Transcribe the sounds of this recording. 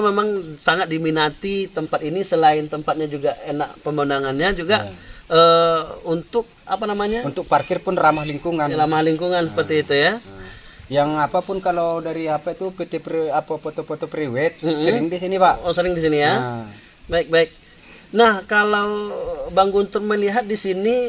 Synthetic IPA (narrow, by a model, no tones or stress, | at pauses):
memaŋsaŋat̪̚diminat̪it̪əmpat̪inisəlaɪnt̪əmpat̪̚ɲad͡ʒuɡaenaʔpəmbəunaŋanɲad͡ʒuɡaʔəunt̪ʊk̚a̰panamaɲaunt̪ʊk̚parkɪrpʊnramahliŋkuŋanɾamahliŋkuŋansə̥pərt̪iːt̪uja | jaŋapapʊnkaladaɾiapait̪upet̪epapapot̪opot̪opɾiwɛt̪̚m̩səɾɪŋdisinibaʔosəɾɪŋdis̬inija | baɪk̚baɪk̚ | nahkalaubaŋɡunt̪ʊrməliɦat̪̚disini